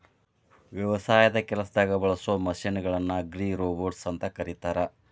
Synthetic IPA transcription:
ʋjɐʋɐsaːjɐd̪ɐkɛlɐsɐd̪aːɡɐbɐɭɐsomɐʃinɐɡɐɭɐnːɐɡɾiːɾoːboːɾɖsɐnt̪ɐkɐɾit̪aːɾɐ

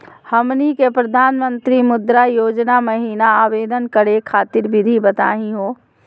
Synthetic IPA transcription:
həmnikepɾəd̪ʱaːnmənt̪ɾimʊd̪ɾajoːd͡ʒnaməɦiːnaaːʋeːd̪ʱənkəɾekʰaːt̪iɾbɪd̪ʱibət̪a̰ːɦĩɦo

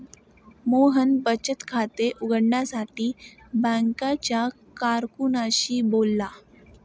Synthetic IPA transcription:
moɦənbət͡ɕət̪kʰat̪eʔuɡəɽɳjasaʈiː | bə̃ŋkat͡ɕja | kaɾkunaɕiːbolːa

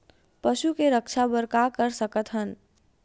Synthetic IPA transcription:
pəʃukeɾəkʃabəɾkakəɾsəkət̪ɦən

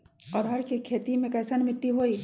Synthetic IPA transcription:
ɔːɾɦɐɾkekʰeːt̪imẽkɐːsɐnmɪʈːiɦoːiː

